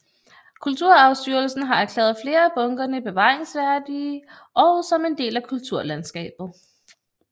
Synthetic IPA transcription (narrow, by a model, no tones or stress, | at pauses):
kʰult͡sʰuɐ̰ɑ̈ʊsd̥yɐl̩sn̩ɦɑ̈æɐkʰlɛ̰ːð̞̩ˠfle̝ːɐæb̥ɔ̽ŋɡ̥ɐnəb̥e̝ʋɑ̰̈ːeŋsʋæɐd̥i | ʔɒ̽ʊsɒ̽me̝nd̥e̝̰ːlækʰult͡sʰuɐlænsɡ̥ɛ̰ːb̥ð̩ˠ